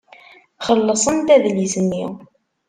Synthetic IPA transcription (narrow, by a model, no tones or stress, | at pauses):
χəlːəsˤənt̪æðlizənːḭw